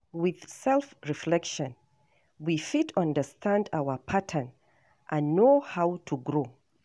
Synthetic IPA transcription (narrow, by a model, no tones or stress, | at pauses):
wɪð̥sɛlˠfɹiflɛkʃɔ̃n | wifitʰʌ̃ndəstʰãndawəpʰatʰə̃n | ʔãnːohawtʰuɡɹo